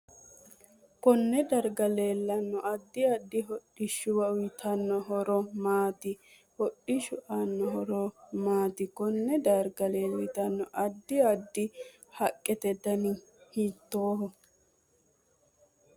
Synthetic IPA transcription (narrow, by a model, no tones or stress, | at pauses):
kɔnːɛd̪ɐɾɡɐleːlːɐnːɔʔɐd̪ːɪɐd̪ːɪɦɔɗɪʃːʊwɐʊjt̪ʰɐnːɔɦɔɾɔmaːt̪ɪ | hɔɗːɪʃʊʔanːɔɦɔɾɔmaːt̪ɪkɔnːɛd̪ɐɾɡɐleːlːɪt̪ɐnːɔʔɐd̪ːɪɐd̪ːɪ | hɐkʼːɛt̪ɛd̪ɐnɪ | hiːt̪ːoːɦɔ